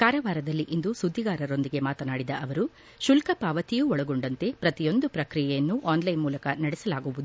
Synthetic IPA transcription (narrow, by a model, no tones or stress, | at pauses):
kaːɾɐʋaːɾɐd̪ɐlːiʔind̪usud̪ʱːiɡaːɾɐɾo̞nd̪iɡe̞maːt̪ɐnaːɽid̪ɐʔɐʋɐɾu | ʃulkɐpaːʋɐt̪ijuːɔɭɐɡoɳɖɐnt̪e̞pɾɐt̪ijo̞nd̪upɾɐkɾijɛjɐnːuʔaːnlɐjnmuːlɐkɐnɐɽɛsɐlaːɡuʋud̪u